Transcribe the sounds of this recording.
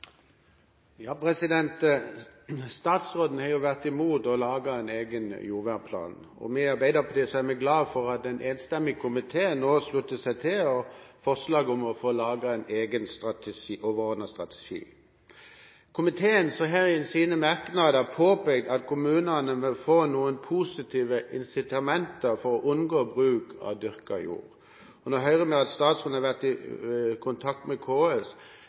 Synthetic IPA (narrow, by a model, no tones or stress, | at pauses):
jɑːpʰʁɛsɪd̪ɛnt̪ | st̪ɑːt̪sʁoːd̪n̩hɑʁjʊʋæʁt̪ɪmuːt̪ɔlɑːɡɑɛneːɡənjuːʋæʁpʰlɑ̰ːn | ɔ̰mɛɑɾbæɪd̪əpʰɔd̪ɛsɔæʁmɛɡlɑːfɔʁɑt̪dɛnʔeːnst̪ɛmːɪkʰʊmɪt̪ʰeːnoːslʉt̪ːəsæɪt̪ʰɪlɔfɔʁslɑːɡɔmɔfoːlɑːɡɑɛneːɡənst̪ʁɑt̪ːʔoːʋəʁɔːd̪nəst̪ʁɑt̪ʰɛ̥ʃḭː | kʰʊmɪt̪ʰeːənsɔɦæʁɛnsiːnəmæɾknɑd̪əpʰoːpɛɡ̚d̪ɑt̪kʰʊmʉːnənəmɛfoːnuːənpʰusɪt̪ʰiːʋəʔɪnsɪt̪ʰɑmɛnt̪əɾfɔɾɔʔʊnɡoːbʁʉːkʰɑ̰ʋd̪ʏʁkə̰jṵːɾ | ɔnoɦœʏʁəmɛɑt̪st̪ɑːt̪sʉnɑʋæʁt̪ɪkʰʊnt̪ʰɑk̚t̪mɛkʰoːɛs